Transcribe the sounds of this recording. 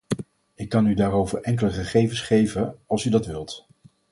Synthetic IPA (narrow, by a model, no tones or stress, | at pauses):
ɪkːɑnydaːɾowvəɹʔɛŋkələχəχejvənsχejvənɑlˠsydɑtʋɪlˠt